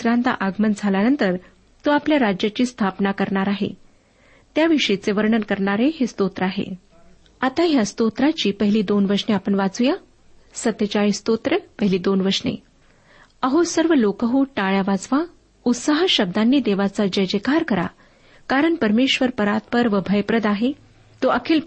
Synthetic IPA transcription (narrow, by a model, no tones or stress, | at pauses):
usɾant̪a̰ʔaɡmənd͡zʱalanənt̪əɾ | t̪uapljaɾad͡ʑjat͡ɕiːst̪ʰapnakəɾɳaɾaɦḛ | t̪jaʋiʂəit͡seʋəɾɳənkəɾɳaɾeɦest̪ot̪ɾəaɦḛ | at̪aɦjast̪ot̪ɾat͡ɕiːpəɦiliːd̪onʋəɾʂɳeapəɳʋat͡suja | sət̪ːət͡ɕaist̪ot̪ɾəpəɦiliːd̪onʋəɾʂnḛ | əɦosəɾʋəlokəɦuʈaɭjaʋad͡zʋa | ut̪səɦəɕəb̚d̪anːiːd̪eʋat͡sad͡ʑəjd͡ʑekaɾkəɾa̰ | kaɾəɳpəɾmeɕʋəɾpəɾat̪̚pəɾʋəbʱəjpɾəd̪aɦe | t̪oʔəkʰeːl